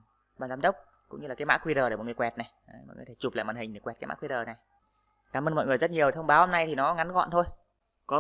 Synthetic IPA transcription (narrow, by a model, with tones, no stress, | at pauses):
ɓaː˨˩nzaː˧nɗə˦˥wk͡p̚ | kʊ̰˧˥ŋ͡mɲɨ˧laː˨˩kːma̰ː˧˥kwi˧ɗəː˨˩ɗe˧˩ɔ̰˨ŋ˨˩˨wɛ˨˩t̚na˨˩jmɔ̰˨nɨ̰˨˩e˧˩t͡ɕu˨˩pla̰ː˧˨maː˨˩hï˨˩ŋ̟ɗe˨˧˩kwɛ˨˩t̚kaː˨˦ma̰ː˧˥kwi˧ɗəː˨˩na˨˩j | kaː˨˦mʔəː˧nmɔ̰˧˨jŋ˨˩əjzt̚ɲi˨˩əwt̪ʰə˧wŋ͡mɓaː˨˦who˧na˧jt̪ʰi˨˩nɔ˨˦ŋa˨˦nɣɔ̰˧˨nt̪ʰo˧j | kɔ˨˦